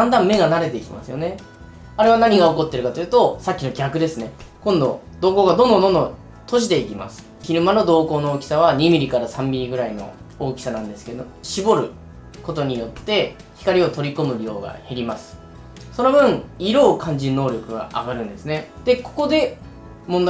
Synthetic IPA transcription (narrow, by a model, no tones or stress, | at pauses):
d̪ãnd̪ãmmːe̞ɡanaɾe̞t̪e̞ikʲima̰sɨjo̞ne̞ | aɾe̞β̞anaɲ̟iɡao̞ko̞t̪ːe̞ɾɯ̟kat̪ojɯ̟t̪o̞sakʲːino̞ɡʲakɯ̟d̪e̞sɨne̞kõ̞nd̪o̞̰ | d̪̥o̞ːko̞ːɡad̪õ̞nd̪oo̞nd̪o | t̪o̞ɕ̬id̪e̞ikʲima̰sɨ̥ | çiɾɯ̟mano̞d̪o̞ːko̞ːno̞oːkʲi̥saβ̞aɲ̟imʲiɾʲikaɾasãmbʲiɾʲiɡɯ̟ɾaino̞̰ | oːkʲi̥sanãnd̪e̞sɨ̥ke̞d̪oɕibo̞ɾɯ̟ | ko̞t̪o̞ɲ̟ijo̞t̪ːe̞ | çi̥kaɾʲio̞t̪o̞ɾʲikomɯ̟ɾʲio̞ːɡa̰he̞ɾʲimasɨ̥ | so̞no̞bɯ̟̃ŋ̃iɾo̞ːkʰãɲ̟d͡ʑino̞ːɾʲo̞kɯ̟ɡa̰aɡaɾɯ̟̃nd̪e̞sɨne̞d̪̥e̞ko̞̥ko̞d̪e̞ | mõnd̪